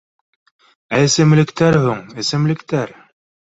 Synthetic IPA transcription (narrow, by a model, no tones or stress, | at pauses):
æɘ̆sɘ̆mlɘ̆kt̪æɾhuŋɘ̆sɘ̆mlɘ̆kt̪æɾ